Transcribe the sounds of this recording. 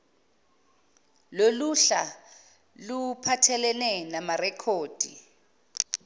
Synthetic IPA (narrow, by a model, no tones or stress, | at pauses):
loluɬa | lupʰatʰɛlɛnɛnamarɛkʰoːd̥ʱi